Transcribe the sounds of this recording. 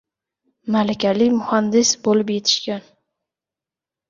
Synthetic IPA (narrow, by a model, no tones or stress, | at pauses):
malakʲʰalɪkʲmʊhand̪ɪsbolɪp̬je̞t̪ʰɪ̥ʃkʲan